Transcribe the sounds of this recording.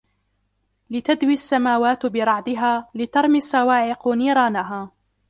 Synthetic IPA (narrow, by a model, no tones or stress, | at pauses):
lɪt̪ad̪wisːamaːwaːt̪bɪɾˤɑʕd̪ˤɪɦaːlɪt̪ɑɾˤmɪsɑwaːʕɪqʊniːɾˤaːnaɦaː